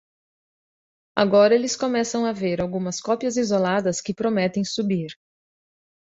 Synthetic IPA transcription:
a̰ɡɔɾɐelɪskomɛsɐ̃w̃aveɾawɡũmɐskɔpiɐzizolad̪ɐskɪpɾomɛt̪ẽj̃subiɾ

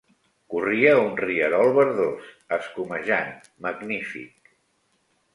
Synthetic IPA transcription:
kuriəunriəɾɔlˠβəɾðos | əskuməʒan | məɡnifḭk̚

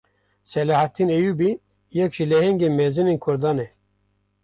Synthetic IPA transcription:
sɛlɑːhat̪ːinejubi | jɛkʒilɛhɛŋɡenmɛzɨnenkʰʊɾd̪ɑːnɛ

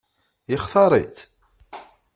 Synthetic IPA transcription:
jəχθɑɾˤḭt̪

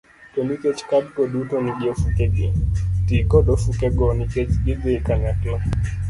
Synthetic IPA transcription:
tɔnikɛt͡ʃkaɗ̚kɔɗutɔniɡiofukɛɡɛtikɔɗɔfukɛɡɔnikɛt͡ʃɡidɛkaɲaklɔ

